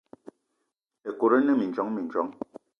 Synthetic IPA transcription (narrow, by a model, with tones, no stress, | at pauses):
e˨ko˨ɾe˦nɛ˦mi˨n˨t͡ʃɔ˨˦ŋmi˨n˨t͡ʃɔ˨˦ŋ